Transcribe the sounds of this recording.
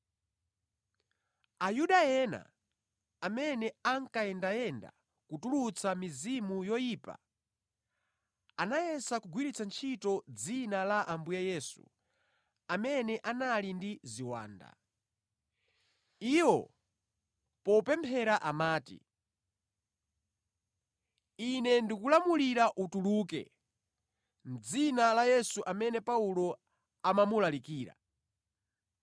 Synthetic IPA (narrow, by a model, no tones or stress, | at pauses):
ajuɗajɛna̰ | amɛnɛaŋkaɛndajɛnda̰ | kutulut͡sʰamizimujɔjiːpa̰ | anajɛsakuɡwiɾit͡sant͡ʃʰitɔd͡zinalaʔambujaɛjɛːsṵ | amɛnɛʔanalindiziwa̰ːnda̰ | iːwɔ | pɔpɛmpʰɛɾaʔamaːtḭ | inɛndikulamuliɾaʔutuluːkɛ̰ | m̩d͡zinalajɛsuʔamɛnɛpaulɔ | amamulalikiːɾa̰